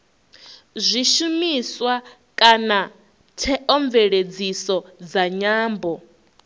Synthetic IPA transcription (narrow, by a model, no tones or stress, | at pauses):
zʷiʃumiswa | kʼana | tʰɛʔɔɱvɛɺed͡zisɔd͡zaɲaːmbɔ